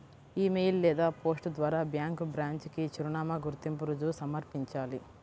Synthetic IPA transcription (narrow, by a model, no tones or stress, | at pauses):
iːmejllɛːd̪aːpo̞ːsʈd̪ʋaːɾaːbjaːŋkbɾaːɲt͡ʃkit͡ʃuɾuɳaːmɐɡuɾt̪impuɾud͡ʒusɐmɐɾpiɲt͡ʃaːli